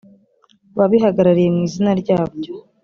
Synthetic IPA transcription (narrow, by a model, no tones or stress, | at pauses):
βaβiɦaɡaɾaɾije̞mŋiːzinaɾɟaːbɟo̞